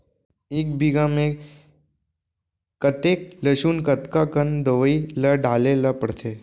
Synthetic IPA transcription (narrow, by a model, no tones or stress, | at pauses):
eːk̚bʱiɡamẽ | kət̪eːkləʃuːnkət̪kakənd̪əʋəiləɖaːleləpəɽt̪ʰeː